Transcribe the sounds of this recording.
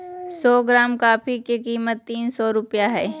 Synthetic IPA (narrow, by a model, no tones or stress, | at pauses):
sɔːɡɾaːmkaːpʰikekiːmət̪ːiːnsɔːɾʊpjaɦɛː